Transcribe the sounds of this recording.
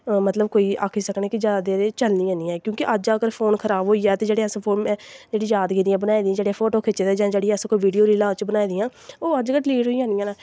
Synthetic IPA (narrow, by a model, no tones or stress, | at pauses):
mət̪ləbkoːiːʔaːkʰiːsəkneːkɪd͡ʒaːd̪eɾeːt͡ʃəlnĩːãːnĩːɛ̃ːkjõːkiʔəd͡ʒəɡəɾpʰoːnkʰəɾaːbɦoːiːɛːt̪eːd͡ʒeːɽeːəspʰoːnɛ̃ːd͡ʒeːɽiːjd͡ʒaːd̪ɡeːd̪iːɛ̃ːbənaːid̪iãːd͡ʒeːɽeːɛːpʰoːʈoːkʰɪt͡ʃeːd̪ɛːd͡ʒãːd͡ʒeːɽiːəskoːiːʋiːɖijoːɾiːlãːt͡ʃbənaːiːd̪ɪjãːoːəd͡ʒɡəʈliːʈɦoːiːãːijãːnaː